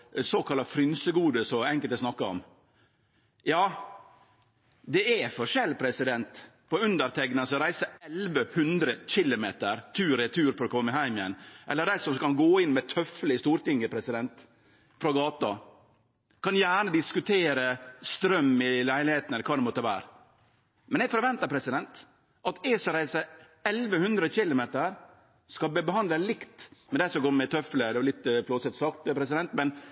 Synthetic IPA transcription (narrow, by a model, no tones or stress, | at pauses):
soːkʰɑlːɑfɾʏnsəɡuːd̪əsɔɛŋkəlt̪æsnɑkːəɔ̰m | jɑː | d̪ɛɛfɔɾʂɛlpʰɾɛsɪd̪ɛnt̪ | pɔʉnd̪əɾt̪ʰɛɡnɑsɔɾæɪsəɛlʋəhʉnd̪ɾəc͡çɪlʊmeːt̪əɾt̪ʰʉːɾɪt̪ʰʉːɾfɔɾɔkʰɔmːəɪɦæɪmɪjɛ̰nːʔɛ̰lːəɖ̪æɪsɔmkɑnɡoːɪnːmɛt̪ʰœflɪst̪uːɾt̪ɪŋːəpʰɾɛsɪd̪ɛnt̪ | fɾɔɡɑːt̪ɑ | kɑnjæːɳəd̪ɪskʉt̪ʰeːɾəst̪ɾœmːɪlæɪlɪheːt̪ənɛləkʰɑːd̪ɛmɔt̪ːəʋæːɾə | mɛnɛɡfɔɾʋɛnt̪əɾpʰɾɛsɪd̪ɛnt̪ | ʔɑt̪eːsəɾæɪsə | ɛlʋəhʉnd̪ɾəçɪlʊmeːt̪əɾ | skɑlbəbəɦɑnd̪ləlɪkt̪mɛd̪æɪsɔmɡoːɾmɛt̪ʰœfləd̪ɛʋɑlɪt̪ːflɔt̪sɛt̪ːsɑk̚t̪pʰɾɛsɪd̪ɛnt̪mɛn